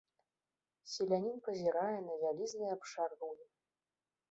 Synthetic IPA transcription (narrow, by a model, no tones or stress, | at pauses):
sʲilʲanʲinpɐzʲiɾajɛnɐvʲalʲiznɨjapʂarɣuwjʲi